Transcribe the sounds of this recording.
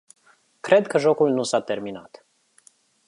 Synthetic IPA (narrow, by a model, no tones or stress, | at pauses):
kɾe̞d̪kəʒo̞kulnusat̪e̞rminat̪